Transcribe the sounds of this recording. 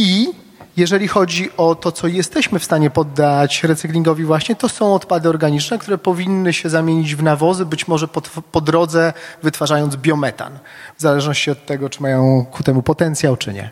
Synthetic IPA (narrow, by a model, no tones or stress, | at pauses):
i | jɛʐɛlʲixɔd͡ʑiʔɔt̪ɔt̪sɔjɛst̪ɛɕmɘfst̪aɲɛpɔd̪ːat͡ɕɾɛt̪sɘklʲiŋɡɔvʲivwaɕɲɛt̪ɔsɔ̃w̃ɔt̪pad̪ɘɔɾɡaɲit͡ʂnɛkt̪uɾɛpɔvʲinːɘɕɛzamʲjeɲid͡ʑvnavɔzɘbɘt͡ɕmɔʐɛpɔpɔd̪ɾɔd̪zɛvɘt̪faʐajɔnzbʲjɔmɛt̪a̰n | vzalɛʐnɔɕt͡ɕiɔt̪ːɛɡɔt͡ʂɘmajɔ̃w̃kut̪ɛmupɔt̪ɛnt̪sʲjawt͡ʂɘ̰ɲɛ̰